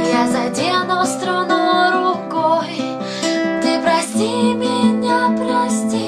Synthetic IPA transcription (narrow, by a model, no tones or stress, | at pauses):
jazɐdʲenost̪ɾanoɾʊkoj | t̪ɨpɾɐsʲtʲimʲɪnʲapɾɐsʲtʲi